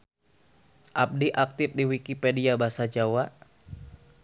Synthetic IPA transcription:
ʔap̚diʔak̚t̪ɪf̚diwikipediabasad͡ʒawa

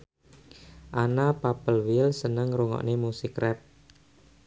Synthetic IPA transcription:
ʔanapapəlwɪlsənəŋɾuŋɔ̰ʔnemusikrɛp̚

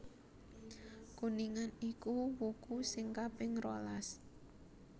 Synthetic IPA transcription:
kuniŋanikuwukusɪŋkapɪŋɾolas

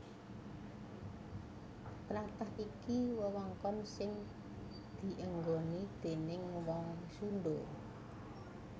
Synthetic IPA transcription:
pɾat̪aɦikiwəwɔŋkɔnsɪŋ | d̪̥i̤ʔəŋɡonid̪̥e̤nɪŋwalsunɖo

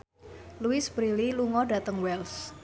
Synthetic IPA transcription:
luɪsb̥ɾililuŋɔɖa̤t̪əŋwɛls

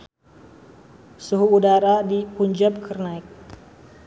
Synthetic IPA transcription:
suɦuːdaɾadipuɲd͡ʒap̚kʰərnaik̚

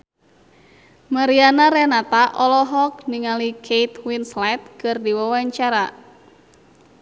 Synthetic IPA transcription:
maɾianaɾɛnat̪aʔɔlɔɦɔk̚niŋalikʰejt̪winslat̪̚kɨrdiwawaɲt͡ʃaɾa

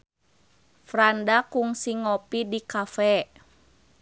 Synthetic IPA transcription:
fɾandakuŋsiŋɔpidikafɛ

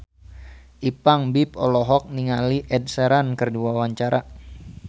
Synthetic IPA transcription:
ʔipaŋbipɔlɔɦɔk̚niŋaliʔɛd̚sɛɾankərduawaɲt͡ʃaɾa

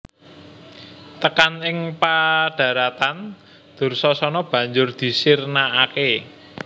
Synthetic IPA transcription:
t̪əkanɪŋpaɖ̥ä̤ɾat̪an | d̪̥ʊ̤rsɔsɔnɔb̥ä̤ɲd͡ʒʊrd̪̥i̤sɪrnaːke

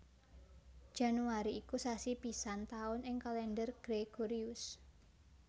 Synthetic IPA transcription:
d̥ʒ̥a̤nuaɾiːkusasipisant̪aʊnɪŋkalɛndərɡ̥ɾeɡ̥oɾiʊs

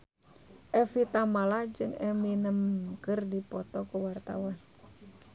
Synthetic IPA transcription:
ʔɛfit̪amalad͡ʒɨŋɛminəmkɨrdipɔt̪ɔkuwart̪awan

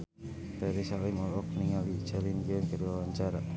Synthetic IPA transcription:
t̪ɛɾisalimɔlɔk̚niŋalit͡ʃalinɡɛnkəɾiwawaɲt͡ʃaɾa

